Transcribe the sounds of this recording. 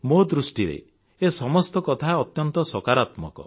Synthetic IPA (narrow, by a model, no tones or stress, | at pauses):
mod̪ɾusʈiɾḛ | esɔmɔst̪ɔkɔt̪ʰaɔt̪jɔnt̪ɔsɔkaɾat̪mɔkɔ̰